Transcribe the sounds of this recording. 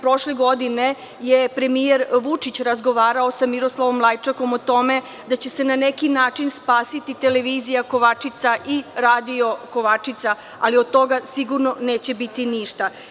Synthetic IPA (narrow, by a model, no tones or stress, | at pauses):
pɾo̞ʃleɡo̞d̪ine | jepɾe̞mijeɾʋut͡ʂit͡ɕɾazɡo̞ʋaːɾao̞samiɾo̞slˠaʋo̞mːlˠajt͡ʃako̞mot̪o̞me̞ | d̪at͡ɕe̞se̞nanekinaːt͡ʃinspaːsit̪it̪e̞le̞ʋizijako̞ʋat͡ʂit̪saʔiɾaːd̪io̞ko̞ʋat͡ʂit̪sa | a̰liod̪̚t̪o̞ɡasiɡuɾno̞neːt͡ɕe̞bit̪iniʃt̪a